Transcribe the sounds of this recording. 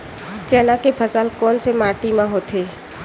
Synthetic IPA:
d͡ʒɛːnãkepʰɐzaːlkɔːnsemaːʈimãɦoːt̪ʰeː

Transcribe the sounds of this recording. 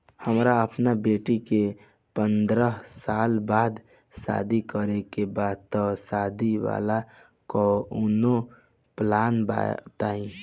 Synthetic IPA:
həmɾaəpnabeʈike | pənd̪ɾəɦsalbaːd̪ | sa̰d̪ʱikəɾekebad̪̚t̪ɔsad̪ʱiʋa̰la | kɔuno | planba̰t̪aĩ

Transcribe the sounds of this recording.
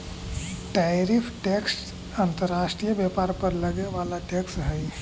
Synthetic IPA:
ʈajɾifʰʈeks | ãnt̪əɾaːʃʈɾijəbjɛpaːɾpəɾlɐɡneʋaːlaʈeːksɦəj

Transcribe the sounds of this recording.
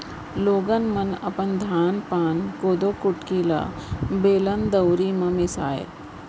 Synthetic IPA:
loːɡənmənɐ̰pənd̪ʱaːnpaːnkoːd̪okuʈkilə̰beːlənd̪əwɾiːmɐmisa̰ːḛ

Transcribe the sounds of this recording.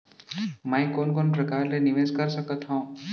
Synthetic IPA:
mãːĩkoːnkoːnpɾɐkaːɾlenɪʋeːzkəɾsəkət̪ɦõː

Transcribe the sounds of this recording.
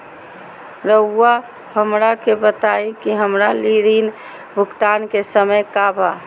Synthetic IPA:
ɾəːa | ɦəmɾakebət̪aĩkiɦəmɾaliɾin | bʱʊkt̪ankesəməjkabʱa̰

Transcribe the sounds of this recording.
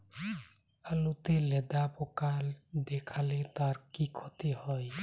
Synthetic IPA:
alut̪elɛd̪apɔkald̪ekʰalet̪aɾkikʰɔt̪ihɔj

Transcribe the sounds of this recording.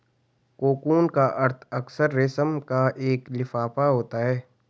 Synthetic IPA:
koːkuːnkaʔɐɾt̪ʰɐksəɾːɪsəmkaʔeːklɪfaːpaɦoːt̪aɦɛː

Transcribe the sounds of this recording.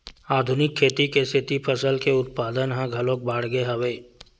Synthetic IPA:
aːd̪ʱʊnɪkʰːeːt̪ikest̪ʰɪt̪ipʰəsəlkeʊt̪̚paːd̪ənɦãɡʱɐlõːk̚baːɽ̤ɡeɦɐʋeː

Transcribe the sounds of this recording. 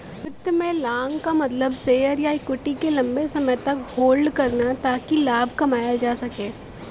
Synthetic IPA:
pɪt̪ːmẽlãːŋɡkamɐt̪ləbseəɾjaɪkːʊʈikelɐ̃mbesɐməjt̪ɐkhoːlɖkɐɾnat̪aːkilaːbʱkɐmaːjad͡ʒaːsɐkẽː

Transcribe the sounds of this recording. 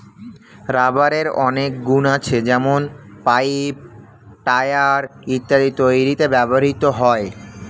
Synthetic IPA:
ɾabaɾeɾɔnek̚ɡunat͡ɕʰed͡ʑɛmonpaip̚ | ʈajaɾit̪ːaɾit̪ojɾit̪ebɛboɦit̪oɦɔe

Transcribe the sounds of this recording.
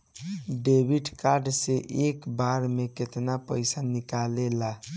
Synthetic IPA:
ɖebʱiʈkaɾɖseʔekbaɾmeket̪napəjsanikalela

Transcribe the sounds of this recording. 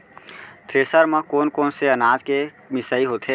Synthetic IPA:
t̪ɾeːsəɾmə̃koːnkoːnseənaːd͡ʒke | mɪsəiɦoːt̪ʰɦeː

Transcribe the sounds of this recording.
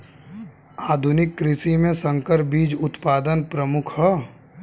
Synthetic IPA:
aːd̪ʱʊnɪkːɾɪsimẽsə̃ŋkəɾbiːd͡ʒʊt̪paːd̪ənpɾəmʊkʰhə

